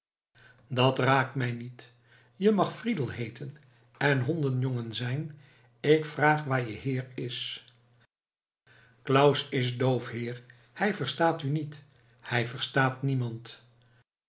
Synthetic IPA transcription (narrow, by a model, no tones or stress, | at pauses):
dɑtraːk̚tmɛjnit | jəmɑχfridəlˠɦejtʰən | ɛnɦɔndənjoŋənzɛjn | ɪkfraːχʋaːɹjəɦɪːɹɪs | klʌwsɪzdowfhɪːɹ | hɛjvəɹstaːtynit | hɛjvəɹstaːtnimɑnt